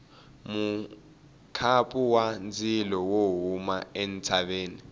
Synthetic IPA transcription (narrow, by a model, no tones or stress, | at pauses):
mu | kʰapʼuwand͡zʱilɔwoɦumaent͡sʰaɓeːni